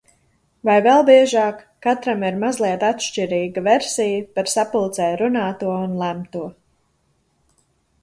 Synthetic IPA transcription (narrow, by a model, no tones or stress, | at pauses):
vajvɛlˠbiɛʒaːkːat̪ɾamiɾmazlˠiɛt̪at̪ʃt͡ʃiɾiːɡəvɛɾsijəpaɾsapulˠt̪sɛːɾunaːt̪uɔunlˠæmt̪uɔ